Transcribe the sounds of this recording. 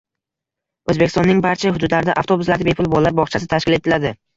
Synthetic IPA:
ɵzbekʲɪst̪ɒnːɪŋbaɾt͡ʃʰaɦʊd̪ʊd̪laɾɪd̪aʔaft̪o̞bʊslaɾd̪abepʰʊlˠbolːaɾbɒχt͡ʃʰasɪt̪ʰaʃkʲɪle̞t̪ʰɪlad̪ɪ

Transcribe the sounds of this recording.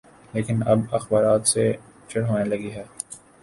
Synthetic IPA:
leːkɪnɐbɐxbaːɾaːt̪set͡ʃɐɽɦoːnelɐɡiɦɛː

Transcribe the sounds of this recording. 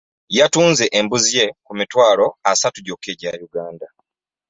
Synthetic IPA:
jatuːnze̞ʔembuzije̞kumitwaːlo̞asatuɟoke̞ɟajuɡaːnda

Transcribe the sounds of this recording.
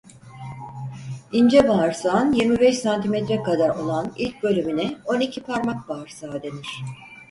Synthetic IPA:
ind͡ʒɛbaɾsanjiɾmibɛʃsant̪ʰimet̪ʰɾɛkad̪aɾo̞lˠanilʲc̚bø̞lʲyminɛo̞nicʰipʰaɾmak̚baɾsaːd̪e̞niɾ̥

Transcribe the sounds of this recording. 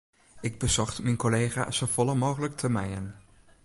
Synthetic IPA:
ɪɡ̚bəzɔχtmɛjnkolejχa̰ːz̥owvɔlˠəmoːχələktʰəmɛjən

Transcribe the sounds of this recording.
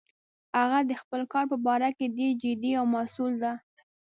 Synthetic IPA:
aɣad̪əxpəlkɑɾpəbɑɾaked̪ed͡ʒɪd̪iawmasuld̪a

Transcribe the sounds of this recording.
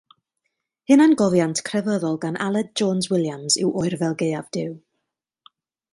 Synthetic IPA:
hɨnanɡɔvjantʰkʰrɛvəðɔlˠɡanʔa̰lˠɛd̚d͡ʒɔːnzwɪlˠjamzɪ̰wʔɔjrvɛlˠɡeɨavd̥ɪw

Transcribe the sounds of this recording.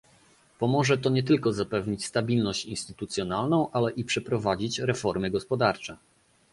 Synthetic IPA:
pɔmɔʐɛt̪ɔɲɛt̪̬ɘlkɔzapɛvɲit͡ɕst̪abʲilnɔɕt͡ɕinst̪ɘt̪ut̪sʲjɔnalnɔ̃w̃ʔalɛʔipʂɛpɾɔvad͡ʑit͡ɕɾɛfɔɾmɘɡɔspɔd̪aɾt͡ʂɛ

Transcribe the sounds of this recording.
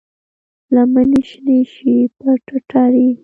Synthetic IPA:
lamaniʃneʃipaʈaʈaɾi

